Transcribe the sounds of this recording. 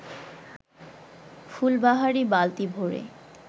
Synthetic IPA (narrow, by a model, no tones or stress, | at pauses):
fulbaɦaɾibalt̪ibʱoɾḛ